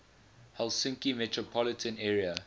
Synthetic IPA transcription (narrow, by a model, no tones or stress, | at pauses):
hɛlˠsɪ̃ŋkimɛtʰɹɔpʰɔlɪtʰə̃nɛːɹiə